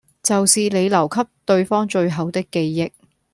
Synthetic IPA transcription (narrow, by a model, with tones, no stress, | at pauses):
t͡sɐ˨wsiː˨le˨˧jlɐ˨˩wkʰɐ˥p̚t̪ɵ˧ɥfɔː˥ŋt͡ʃɵ˧ɥɦɐ˨˧wt̪ɪ˥kːe˧jːɪ˧k̚